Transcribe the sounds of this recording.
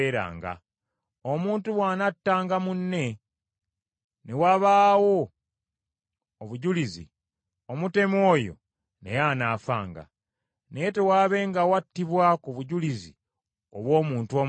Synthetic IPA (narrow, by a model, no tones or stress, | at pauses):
eɾa̰ːŋɡa̰ | omuːntuβwaːnatːaːŋɡamunːe̞ | newaβaːwo̞ | βuɟulizḭ | omute̞mo̞ːjo̰ | ne̞̰jaːnaːfa̰ːŋɡa̰ | nejete̞waːβe̞ːŋɡawatːiβwakuβuɟulizi | oβwo̞ːmuːntuo̞ːm